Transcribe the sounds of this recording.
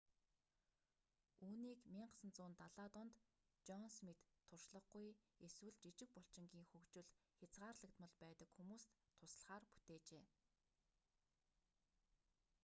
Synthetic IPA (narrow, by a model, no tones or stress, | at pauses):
uːniːkmiːɴɢə̥sə̆nt͡sʊːnt̪aɮaːt̪ɔnt̪ | t͡ɕɔnsmit̪ʰːʊrʃɮə̆χɡujeswɘ̆ɮt͡ɕit͡ɕɪ̆k̚pɔɬt͡ɕɪ̆ŋɡʲiːŋxɵkt͡ɕɘ̆ɮxʲat͡sɢaːrɮə̆k̚t̪mə̆ɮpæːt̪ə̆kxumuːst̪ʰːʊs̆ɮχaːrpu̥t̪eːt͡ɕeː